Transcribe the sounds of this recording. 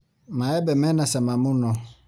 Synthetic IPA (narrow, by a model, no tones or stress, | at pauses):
mãɛbɛmɛ̃nãsɛmãmʊ̃nɔ̃